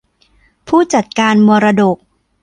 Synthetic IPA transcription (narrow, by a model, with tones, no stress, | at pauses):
pʰuː˥˩t͡ɕa˨˩t̪̚kaː˧nmuː˧ɾa˧do˨˩k̚